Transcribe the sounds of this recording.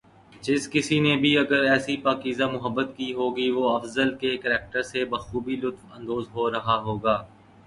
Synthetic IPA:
d͡ʒɪskɪsinebʱiɐɡəɾɛːsipaːkiːzamʊɦəbːət̪kiɦoːɡiʋoɐfzəlkekəɾɛːk̚ʈəɾsebɐxuːbilʊt̪fɐ̃nd̪oːzɦoːɾɐɦaɦoːɡaː

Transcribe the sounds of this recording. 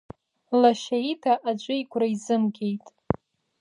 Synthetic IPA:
laʃaitʰaʔad͡ʒʷʼʊikʷʰraizɨmɡʲe̞jtʼ

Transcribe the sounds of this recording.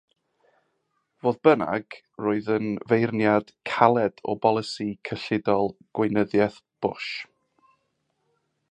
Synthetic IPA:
voːðbəna̰ɡ | roːɨðənvejrnjad̥kʰalˠɛdɔ̰bɔlˠəsikʰəɬɪdɔlˠɡ̥wɪnəðjɛθb̥ʊʃ

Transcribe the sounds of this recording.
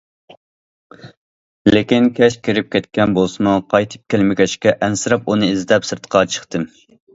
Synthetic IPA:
lekʲinkʲʰɛʃkʲeɾɪp̚kʲɛt̪̚kʲɛnbolˠsɨmɑqʰɑjt̪ʰɨ̥p̚kʲelmɪkʲʰɛʃkʲɛʔɛnsɨɾɑpunɨizd̪ɛpsɨɾt̪ʰqʰɑt͡ʃʰə̥χt̪ɨm

